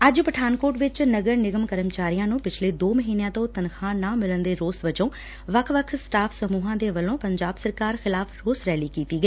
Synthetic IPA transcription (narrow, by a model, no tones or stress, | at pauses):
əd͡ʒpəʈʰaːnkoːʈʋɪt͡ʃnəɡəɾnɪɡəmkəɾəmt͡ʃaːɾijãːnũːpɪt͡ʃʰleːd̪oːməɦiːnejãːt̪õːt̪ənxʰãːnãːmɪlənd̪eːɾoːsʋət͡ʃõː | ʋəkʰʋəkʰsʈaːpʰsəmuːɦãːd̪eːʋəlõːpəɲd͡ʒaːbsəɾkaːɾxɪlaːpʰɾoːsɾɛːliːkiːt̪iːɡəiː